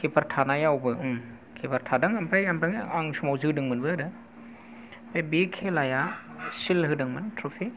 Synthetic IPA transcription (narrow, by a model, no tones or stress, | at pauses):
kʰepʰaɾtʰanajawbɯɯm | kʰepʰaɾtʰadɯŋampʰajampaŋaŋsumawzɯdɯŋmɯnbɯaɾɯ | pʰebekʰelajasilɦɯdɯŋmɯntʰɾupʰi